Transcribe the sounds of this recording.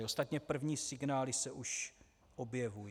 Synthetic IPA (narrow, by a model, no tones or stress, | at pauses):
ost̪at̪ɲɛpr̩vɲiːsɪɡnaːlɪsɛʔuʃ | ʔo̞bjɛvu